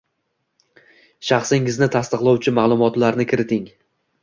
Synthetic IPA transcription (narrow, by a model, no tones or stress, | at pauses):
ʃɑχsɪŋɪznɪt̪ʰast̪ɨqlˠɒwt͡ʃʰɪmalˠʊmɒt̪laɾnɪkʲʰɪɾɪt̪ʰɪŋ